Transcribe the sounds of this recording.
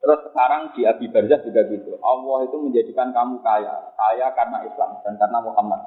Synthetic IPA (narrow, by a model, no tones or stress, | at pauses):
t̪əɾʊsːəkaɾaŋsiab̥ib̥ard͡ʒahd͡ʒuɡaɡit̪uʔɑlːɔhit̪uməɲd͡ʒadikankamukaja̰kajakarənaisla̰md̥ankarənamuɦamat̪̚